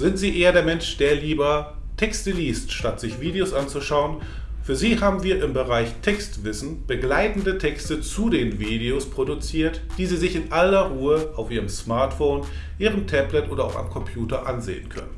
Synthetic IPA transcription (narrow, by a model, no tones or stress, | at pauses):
z̥ɪntz̥iːʔeːɐdeːɐmɛnʃd̥eːɐliːbɐtʰɛkstəliːstʃtatz̥ɪçv̥iːdeosʔant͡suʃaʊən | fyːɐziːhaːbm̩viːɐʔɪmbəʁaɪçtʰɛkstv̥ɪsn̩b̥əɡlaɪtn̩dətʰɛkstət͡sudeːnviːdeospʁ̥odut͡siːɐtd̥iːziːzɪçɪnʔalɐʁuːəʔaʊfʔiːʁəmsmaɐtfoːn | ʔiːʁ̞əmtʰɛblɛtʔoːdɐa̰ʊfʔa̰mkʰɔmpʰjuːtɐʔanzḛːənkʰœ̰nən